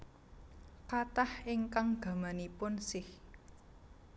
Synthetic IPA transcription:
kat̪ahɪŋkaŋɡ̥ä̤manipʊnsɪh

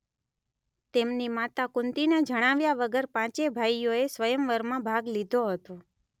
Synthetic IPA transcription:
t̪emnimat̪akʊnt̪ined͡ʒəɽ̃aʋjaʋəɡəɾpãt͡ʃebʱajoesʋəjəmʋəɾmãbʱaɡlid̪ʱoɦət̪o

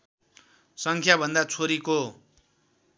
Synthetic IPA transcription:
sʌŋkʰjabʱʌnd̪at͡sʰoɾiko

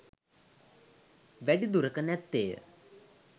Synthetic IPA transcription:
ʋæɖid̪uɾəkənɛt̪ːeːjə̰

